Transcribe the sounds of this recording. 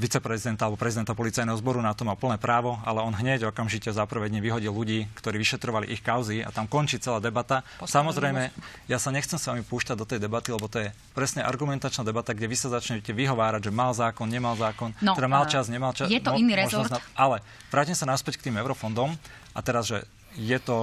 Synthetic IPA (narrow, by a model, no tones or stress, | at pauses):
ʋit͡sɛpɾɛzid̪ɛnt̪alɛbɔpɾɛzid̪ɛnt̪apɔlit͡sajnɛɦɔzbɔɾunat̪ɔmalpl̩nɛːpɾaːʋɔalɛɔnɦɲɛɟɔkamʒicɛzapɾ̩ʋɛd̪ɲɛʋiɦɔɟilːuɟiːkt̪ɔɾiːʋiʃɛt̪ɾɔʋalḭʔixkaʊzia̰t̪amkɔnt͡ʃiːt͡sɛlaːd̪ɛbat̪asamɔzɾɛjmɛ | jasaɲɛxt͡sɛmsʋamipuːʃcaɟd̪ɔt̪ɛjd̪ɛbat̪ilɛbɔt̪ɔjɛ | pɾɛsɲɛʔa̰ɾɡumɛnt̪at͡ʃnaːd̪ɛbat̪aɡɟɛʋisazat͡ʃɲɛcɛʋiɦɔʋaːɾaɟʒɛmalzaːkɔnɲɛmalzaːkɔnt̪ɛd̪amalt͡ʃazɲɛmalt͡ʃajɛt̪ɔʒnɔnalɛ | ʋɾaːcimsanaspɛck̚t̪iːmɛʊɾɔfɔnd̪ɔm | ʔat̪ɛɾazʒɛ | jɛt̪ɔ